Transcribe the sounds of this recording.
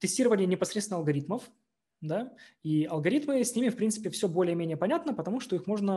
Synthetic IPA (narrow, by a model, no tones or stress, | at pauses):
t̪ɨsʲtʲiɾəvənʲɪjənʲɪpɐsɾʲet̪ʲnəɐlˠɡɐɾʲit̪məf | d̪aiɐlˠɡɐɾʲit̪mɨsʲnʲimʲɪfpɾʲint̪sɨ̥pʲɪfsʲɵbo̞lʲɪjəmʲenʲɪjəpɐnʲat̪nəpət̪ɐmuʂt̪o̞ixmo̞ʐnə